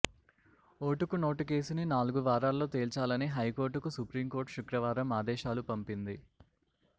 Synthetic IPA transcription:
oːʈukuno̞ːʈuke̞ːsuninaːluɡuʋaːɾaːlːo̞ːt̪eːlt͡ʃaːlɐniɦɐjko̞ːɾʈukusupɾiːmko̞ːɾʈʃukɾɐʋaːɾɐmaːd̪ɛːʃaːlupɐmpind̪i

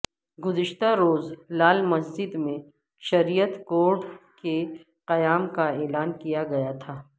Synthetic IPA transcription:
ɡʊzɪʃt̪aɾoːzlaːlmɐsd͡ʒɪd̪mẽ | ʃɐɾijət̪koːɾɖke | qɐjaːmkaeːlaːnkijaɡɐjat̪ʰaː

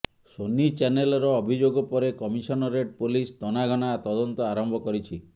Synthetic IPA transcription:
sonit͡ʃanelɔɾɔːbʱid͡ʒoɡɔpɔɾekɔmisɔnɔɾeʈ̚polist̪ɔnaɡʱɔnat̪ɔd̪ɔnt̪ɔaɾɔmbʱɔkɔɾit͡ʃʰi

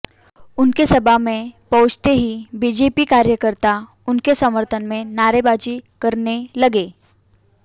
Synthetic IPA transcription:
ʊnkesɐbʱamẽpɔɦʊt͡ʃt̪eɦibiːd͡ʒeːpikaːɾjəkəɾt̪a | ʊnkesəməɾt̪ʰənmẽnaːɾebaːd͡ʒikɐɾnelɐɡeː

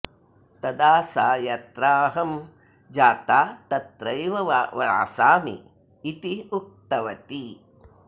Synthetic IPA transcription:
t̪ɐd̪aːsaːjɐt̪ɾaːɦɐm | d͡ʒaːt̪aːt̪ɐt̪ɾɐjʋɐʋʋɐ̰ːsaːmḭː | t̪iuk̚t̪ɐʋɐt̪i

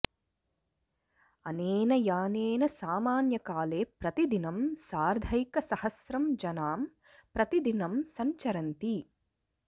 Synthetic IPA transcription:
ɐneːnɐjaːneːnɐsaːmaːnjɐkaːleːpɾɐt̪id̪inɐmsaːɾd̪ʱɐjkɐsɐhɐsɾɐmd͡ʒɐnaːm | pɾɐt̪id̪inɐmsɐɲt͡ʃɐɾɐnt̪i

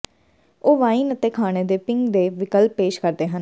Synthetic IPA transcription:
oːʋaːiːnət̪eːkʰaːɽ̃eːd̪eːpɪŋɡd̪eːʋɪkəlpːeːʃkəɾd̪eːɦən

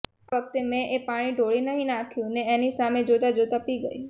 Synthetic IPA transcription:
aʋək̚t̪emẽʔepaɽ̃iɖʱoɭinəɦĩnãkʰjũneenisamed͡ʒod̪ad͡ʒod̪əpiɡəi

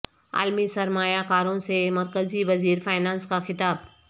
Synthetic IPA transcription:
a̰ːlmisɐɾmaːjakaːɾõsemɐɾkəziʋɐziːɾfaːɪnaːnskaxɪt̪aːb

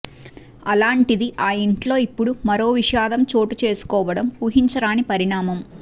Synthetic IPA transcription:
ɐlaːɳʈid̪iʔaːiɳʈlo̞ːipːuɽumɐɾo̞ːʋiʃaːd̪ɐmt͡ʃo̞ːʈut͡ʃe̞ːsu̥kɔːʋɐɽɐmuːɦiɲt͡ʃɐɾaːnipɐɾiɳaːmɐm

